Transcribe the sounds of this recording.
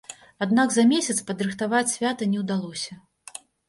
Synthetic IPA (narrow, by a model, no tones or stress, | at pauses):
ad̪naɡzɐmʲesʲɐt̪spɐd̪ɾɨxt̪avat͡sʲsʲvʲat̪ɐnʲɛwd̪alˠɔsʲɐ